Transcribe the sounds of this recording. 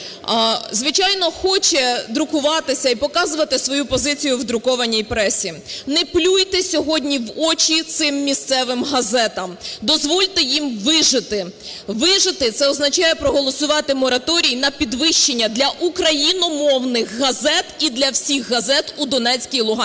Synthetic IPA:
zʋɪt͡ʃɑjnɔxɔt͡ʃɛd̪ɾʊkʊʋɑt̪ɪsʲɐipɔkɑzʊʋɐt̪ɪsʋɔjupɔzɪt͡sʲijʊʋd̪ɾʊkɔʋɐnʲːijpɾɛsʲːinɛplʲujt̪ɪsʲɔɦɔdʲnʲiʋɔt͡ʃʲit̪sɪmːʲist̪sɛʋɪmɦɐzɛt̪ɐmd̪ɔzʋɔlʲt̪ɪjimʋɪʒɪt̪ɪ | ʋɪʒɪt̪ɪt̪sɛɔznɐt͡ʃɑjɛpɾɔɦɔlˠɔsʊʋɑt̪ɪmɔɾɐt̪ɔɾʲijinɐpʲid̪ʋɪʃt͡ʃenʲːɐd̪lʲɐʔukɾɐjinɔmɔwnɪxːɐzɛt̪id̪lʲɐwsʲixːɐzɛt̪ud̪ɔnɛt͡sʲkʲijlˠʊɦɑ

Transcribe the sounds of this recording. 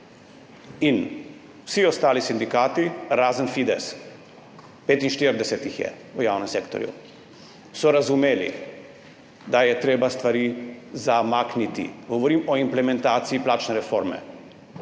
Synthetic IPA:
in | wsiɔst̪aːlisind̪ikaːt̪iɾaːzənfid̪ɛs | peːt̪inʃt̪iːɾd̪ɛsɛt̪ixjɛ̰ | ujaːwnɛmseːkt̪ɔ̰ɾjṵ | sɔɾazumeːlḭ | d̪ajɛt̪ɾeːbast̪ʋaɾiːzamaːknit̪ḭɡɔʋɔɾiːmɔimplɛmɛnt̪aːt̪siiplaːt͡ʃnɛɾɛfoɾmɛ̰

